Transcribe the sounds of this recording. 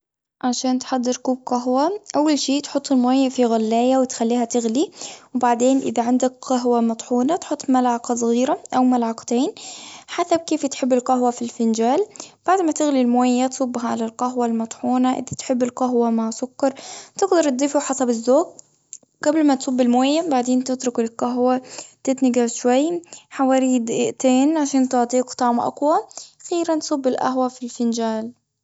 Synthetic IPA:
ʕaʃaːnt̪ħad̪ːɪɾkuːb̚qaɦwaʔawːalʃiːt̪ħʊt̪ˤːɪlmoːjafiɣalːaːjawɪt̪xalːiːhat̪ɪɣliwbaʕd̪eːnʔɪ̰ðaʕand̪akqɑɦwamɑt̪ˤħuːnat̪ħʊt̪ˤːmalʕɑqɑs̬ˤɣiːɾaʔawmalʕɑqt̪eːnħasab̚keːft̪ħɪbːɪlqɑɦwafilfɪnd͡ʒaːlb̥aʕd̪mat̪ɪɣlilmoːjːat̪sˤʊbːɦalalqaɦwalmɑt̪ˤħuːnaʔɪ̰d̪at̪ħɪbːɪlqɑɦwamaʕsʊkːɑɾˤt̪ɪɡd̪ɑɾˤt̪̚d̪ˤiːfuħɑsˤɑbɪzːoːk̚ | ɡ̥ablmat̪sˤʊbːɪlmoːjːabaʕd̪eːnt̪ɪt̪ɾʊkɪlqaɦwat̪ɪt̪nɪɡaʕʃwajːħawaːɾiːd̪ʔɪʔt̪eːnʕaʃaːnt̪ʊʕt̪ˤiːkt̪ˤɑʕmʔa̰qwaxiːɾant̪sˤʊbːɪlʔa̰ɦwafilfɪnd͡ʒaːl

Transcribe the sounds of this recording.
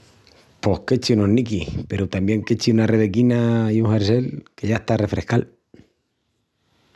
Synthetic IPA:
po̞hke̞t͡ʃiunonnikihpe̞ɾut̪ambje̞ŋket͡ʃiunareβe̞kinaiuŋheɾse̞lke̞ʝaeht̪are̞fɾehkal

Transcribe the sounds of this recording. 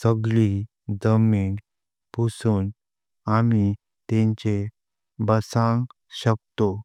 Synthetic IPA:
səɡɭi | d͡zəmin | pusuːn | ami | t̪ẽɲt͡ɕe | bəsãŋ | ɕək̚t̪o

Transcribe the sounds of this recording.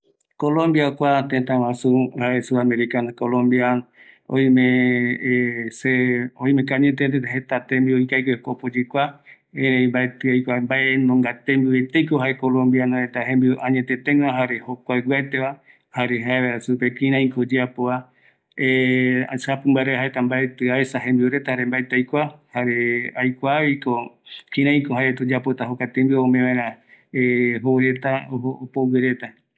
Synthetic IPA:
kolõmbjakʷat̪et̪ãwãsuaesuameɾikanakolõmbiaõ̰ĩmẽ | seõĩmẽkaɲet̪̬et̪eɦet̪at̪embioikajkekopod͡ʒikʷa | ẽɾẽĩmbaet̪ɨajkʷambaʔenõŋɡat̪embiwet̪ejkoɦaekolõmbjanõet̪aɦẽmbiʔaɲẽt̪et̪ẽŋ̃aɦaɾehokʷaeɡat̪eʋa | haɾe̞ɦaeaɾasupekĩɾ̃ãj̃kod͡ʒeapoa | ea̰sapɨmbaɾeɦaet̪ambaet̪ɨaesaɦẽ̞mbiuɾe̞t̪ahaɾembaet̪eajkʷahaɾe̞ajkʷaβikokĩɾãj̃koɦaet̪od͡ʒapot̪aɦokat̪embɨomẽβãeɾ̃ãeɦoɾe̞t̪aoopoweɾe̞t̪a

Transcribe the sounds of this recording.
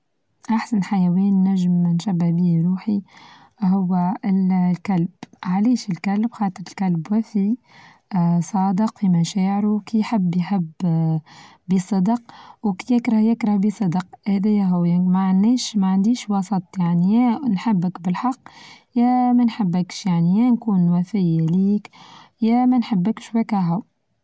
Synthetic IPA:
ʔaħsanħajæwiːnːæʒəmnʃæbːæhbiːɾuːħi | ɦʊwːælkælbʕaliːʃɪlkælbxɑːt̪ˤəɾɪlkælbwæfi | sˤɑːd̪əqfimæʃɛːʕɾukijħɪbːjhab | bisˤɨd̪q̚wkijɪkɾɑhjɪkɾɑhbisˤɨd̪qhæðæjːæɦʊwæmaʕanːɛːʃmæʕand̪iːʃwɑsˤət̪ˤjaʕnijɛnħəbːəkbəlħɑqː | jæmænħəbːəkʃjaʕnijænkuːnwæfɪjæliːkjæmænħəbːəkʃwækæɦʊw

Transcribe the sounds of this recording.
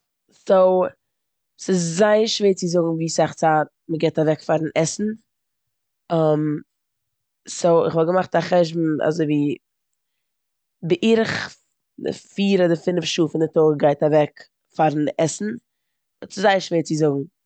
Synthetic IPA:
soʊ | sɪs̬zaɪəɾʃveːɾt͡sɪzʊɡŋ̩viːsaχt͡saːt̚məɡɛɪtavɛkfaɾn̩ʔɛsn̩ | am | soʊɪ̰χvɔlˠɡəmaχtaχɛʒbm̩a̰zoɪviː | bɪʔiːɾɪχ | dɪ̰fiːɾɔdɪfɪnfʃuːfɪndɪtoːɡaɪtavɛk | faɾn̩ɛsn̩ | sɪzaɪəɾʃveːɾt͡sɪzʊɡŋ̩

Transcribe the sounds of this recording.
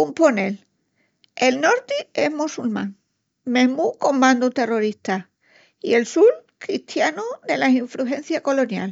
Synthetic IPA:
umpo̞ne̞l | e̞lno̞ɾt̪ieɦmusulmã̰ŋ | mẽɦmuko̞mbãnd̪ut̪e̞ro̞ɾiht̪a | ie̞lsul | kɾiht̪januðe̞lasiɱfɾuɦẽ̞n̟θjako̞lo̞nja̰l

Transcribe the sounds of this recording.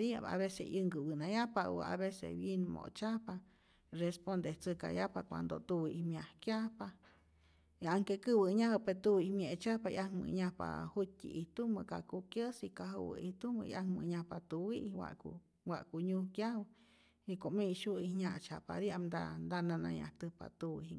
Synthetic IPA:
dia̰a̰βesḛɨŋɡɨwɨnajapawə̰a̰βesḛbjenmo̰t͡ʃahpa | respond̪eht͡sɨka̰jahpakʷa̰nd̪o̰t̪uwɨihmjahkjahpa | iaŋkekɨbəɲahəpet̪uwihmjet͡ʃahpaiʔaŋmɨ̰ɲahpa̰hut̚tḭʔiht̪uməkakukjəsikaɦuwə̰iht̪umə̰ḭʔaŋmɨ̰ɲahpat̪uwiʔwa̰ʔku | waʔkuɲuhkjahw | ikoʔmeʃuihɲaʔt͡ʃapa̰d̪iamd̪and̪anana̰ja̰ht̪ɨhpa̰t̪uwihi

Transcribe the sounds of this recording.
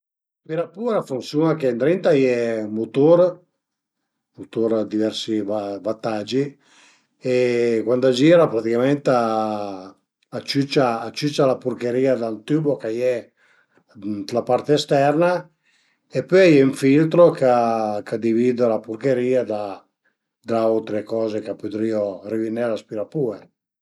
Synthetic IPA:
piɾapuːɾafunsjunakent̪ɾent̪ajɛmot̪oɾ | mut̪oɾd̪ivɛrsivvat̪ːad͡ʒi | ekwand̪ad͡ʒiːɾapɾat̪ikament̪a | t͡ʃːyt͡ʃːaːt͡ʃːyt͡ʃːalapuɾkeɾiːad̪ant̪yːbokajɛ | t̪lapaɾt̪eːst̪ɛrna | epːøjjɛuɱfilt̪ɾokakad̪iviːd̪alapurkeɾiːad̪a | d̪aolt̪ɾekɔːzekapːot̪ɾiːorivinːɛlaspiɾapuːe

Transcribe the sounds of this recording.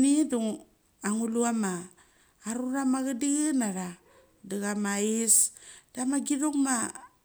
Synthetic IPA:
niduŋ | aŋuluamaː | ɾuɾamaɣadiɣɯnaɾa | daɣamaisd̥amaɡiɾuŋma

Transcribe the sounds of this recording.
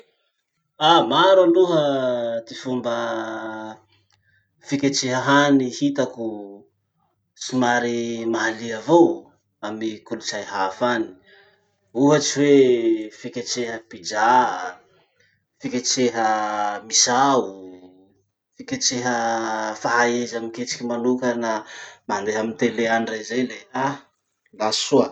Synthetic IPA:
amaɾaluɦəd̪ifumbə | fikʲat͡ʃeɦəɦanihit̪aku | simaɾimaɦaliavow | amikulut͡sajɦafani̥ | uɦat͡ʃiwefikʲat͡ʃeɦəpid͡ʒa | fikʲat͡ʃeɦəmisau | fikʲat͡ʃeɦəfaɦaezamiket͡ʃi̥kʲimanukənamand̪eɦamint̪eleanirazajlea | lasuə

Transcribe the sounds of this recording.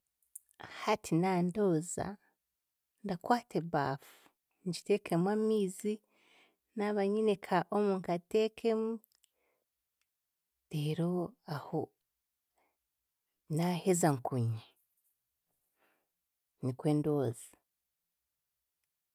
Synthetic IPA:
hatʰinando̞ːza̰ | ndakwaːteβa̰ːfu̥ | ɲd͡ʒitekʰemwamiːzi | naβaɲinekʰaʔomuːŋkateːkʰemu | deɾoaho | nahezaŋkuɲa | nikweːndoːzḁ

